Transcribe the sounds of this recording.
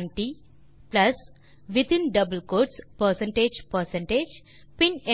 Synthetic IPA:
nʈi | plɐs | ʋit̪ĩnɖɐbəlkoːɾspəɾsẽɳʈed͡ʒpəɾsẽɳʈed͡ʒ | pĩnẽ

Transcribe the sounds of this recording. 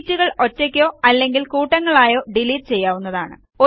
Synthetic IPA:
tːuɣɐɭo̞tːɐkʲːo̞ːɐlːe̞ŋɡilkuːʈːɐŋːɐɭaːjo̞ːɖiliːʈːɨt͡ɕe̞jːaːʋunːɐðaːɳɨ̰ | o

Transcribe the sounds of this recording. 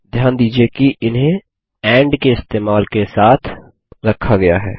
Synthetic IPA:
d̪ʱjaːnd̪iːd͡ʒiekiʔɪnɦẽ | ɛ̃ːɳɖkeɪst̪eːmaːlkesaːt̪ʰ | ɾɐkʰːaɡɐja̰ɦɛ̰ː

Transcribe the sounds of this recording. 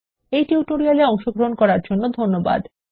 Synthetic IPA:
ejʈiuʈoɾialeɔŋʃoɡɾoɦonkɔɾaɾd͡ʑonːod̪ʱonːoba̰d̪

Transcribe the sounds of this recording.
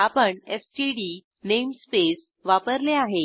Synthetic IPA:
apəɳesʈiɖi | nemspes | ʋapəɾleaɦe

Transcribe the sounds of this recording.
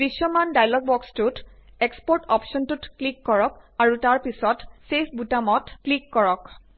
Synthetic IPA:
bisːɔmandajlɔɡ̚bɔkstutekspɔɹtɔpsɔntutklikːɔɹɔk̚aɹutaɹpisɔtsepʰbutamɔtklikːɔɹɔk

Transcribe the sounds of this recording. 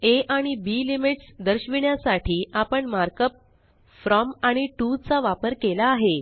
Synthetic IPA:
eʔaɽ̃ibiːlimiʈsd̪əɾɕʋiɳjasaʈʰiːʔapəɳmaɾkəp̚ | fɾɔmaɽ̃iʈut͡saʋapəɾkelaːɦe

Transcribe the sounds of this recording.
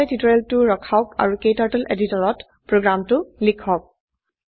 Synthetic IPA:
ɛtitɔɹɛltʊɹɔkʰaʊka̰ɹukejtaɹtɔlʔeditɔɹɔt | pɹoɡɹamtʊlikʰɔk̚

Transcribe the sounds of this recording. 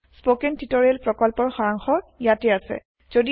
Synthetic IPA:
spokɛntitoɹialpɹɔkɔlpɔɹxɔɹaŋxɔjatɛasɛ̰ | z̥odi

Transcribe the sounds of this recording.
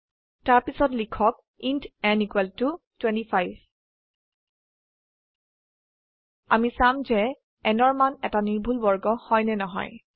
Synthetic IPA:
taɹpisɔtlikʰɔk̚ | intɛnikwɛltu | twɛ̃ntipajb | a̰misamzɛ | ɛnɔɹmanɛtaniɹbʱulbɔɹɡɔhɔjnɛnɔɦɔ̰j

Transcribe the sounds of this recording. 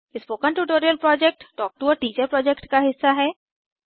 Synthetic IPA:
ɪspoːkə̃nʈuʈoːɾijəlpɾɔːd͡ʒɛk̚ʈʈɔːk̚ʈuɔːɾʈiːt͡ʃəɾpɾɔːd͡ʒɛkʈkaɦɪsːaɦɛː

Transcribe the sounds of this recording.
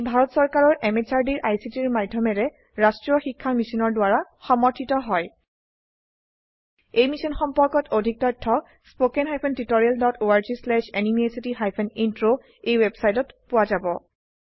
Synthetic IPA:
bʱaɹɔtsɔɹkaɹɔɹʔɛmet͡ʃaɹdiɹʔajsitiɹmadʱːɔmɛɹɛ | ɹastɹiɔxikʰːamisinɔɹdwaɹa | xɔmɔɹtʰitɔɦɔj | ejmisɔnxɔmpɔɹkɔtʰodʱik̚tɔjtʰːɔ | spokɛnɦajpʰɔntitoɹialdɔtoaɹzislɛʃenimiesitiɦajpʰɛnintɹo | ejwebsajtɔtpʊwazabɔ

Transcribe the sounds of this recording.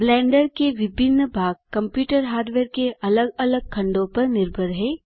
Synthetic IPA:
blɛ̃ːɳɖəɾkeʋɪbʱɪnːbʱaːɡ̚kɐ̃mpjuːʈəɾɦaːɾɖʋeːɾkeʔɐləɡɐləɡ̚kʰɐ̃ɳɖõpɐɾnɪɾbʱəɾɦɛ̃ː

